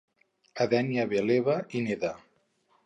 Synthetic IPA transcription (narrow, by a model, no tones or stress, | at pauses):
aðɛnjaβeleβaineða